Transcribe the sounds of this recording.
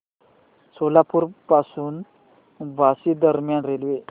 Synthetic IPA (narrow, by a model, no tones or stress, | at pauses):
solapuːɾpasuːn | bʱasid̪əɾmjanɾelʋe